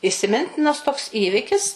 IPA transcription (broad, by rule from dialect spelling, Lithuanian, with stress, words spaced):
ɪsʲɪˈmʲɪnʲtʲɪnɐs toːks ˈiːʋʲɪkʲɪs